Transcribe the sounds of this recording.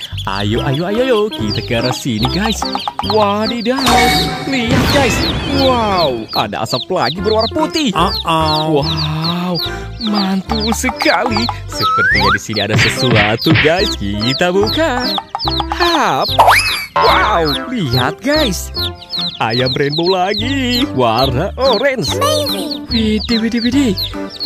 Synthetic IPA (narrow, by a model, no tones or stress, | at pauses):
ʔa̰joʔajoajojokit̪akaɾasiniɡajswadida | liɦat̪̚ɡajswaw | a̰da̰ʔa̰sapla̰ɡibəɾwaɾaput̪iʔaʔwaw | mant̪usəkali | səpərt̪iɲadisiniadasəsuat̪uɡajskit̪abuka | hap̚wawliɦa̰t̪̚ɡajs | ʔajaməɾɛnbowlaɡiwaraʔoɾɛns | widiwidiwidi